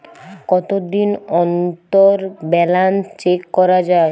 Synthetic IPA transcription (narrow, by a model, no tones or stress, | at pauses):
kɔt̪od̪inɔnt̪oɾbɛlant͡ɕekːɔɾad͡ʑae